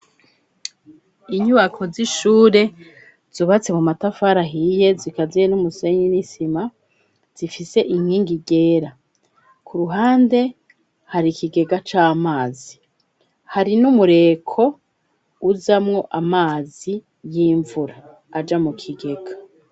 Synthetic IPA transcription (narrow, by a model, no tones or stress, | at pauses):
iɲuβakʰo̞ziʃuːɾe̞ | z̥uβat͡se̞mumatafaɾaɦije̞zikazijenumuseɲinisima | z̥ifise̞ʔiŋhiːŋɡiɡe̞ːɾa | kʰuɾuɦaːnde̞ | haɾikiɡe̞ɡat͡ʃaːmaːzi | haɾinumuɾe̞kʰo̞ | uzamŋo̞ʔamaːzi | jiːɱvuɾaː | d͡ʒamukʰiɡe̞ɡ̥ḁ